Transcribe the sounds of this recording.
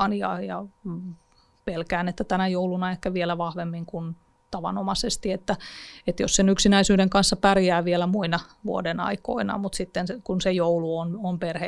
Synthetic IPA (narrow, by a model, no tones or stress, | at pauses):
njɑjɑ | pelkæːnet̪ːæt̪ænæjoulunɑehkæʋielæʋɑhʋemːiŋkun | t̪ɑʋɑ̰nomɑsest̪iet̪ːæet̪jossenyksinæisyːɾeŋkɑnsːɑpærjæːʋielæmuinɑʋṵodenɑ̰iko̰inɑ̰mut̪sit̪ːensekunsejouluonomperhe